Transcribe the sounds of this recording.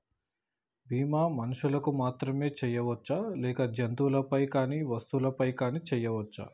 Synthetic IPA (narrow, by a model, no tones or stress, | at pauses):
bʱiːmaːmɐnuʂulɐkumaːt̪ɾɐme̞ːt͡ʃɛjːɐʋɐt͡ʃːalɛːkɐd͡ʒɐnt̪ulɐpɐjkaːniːʋɐst̪ulɐpɐjkaːniːt͡ʃɛjːɐʋɐt͡ʃːa̰